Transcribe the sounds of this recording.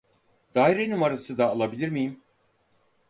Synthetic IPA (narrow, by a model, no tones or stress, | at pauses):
d̪aːjɾenumaɾasɯd̪aːlˠabilʲiɾmijim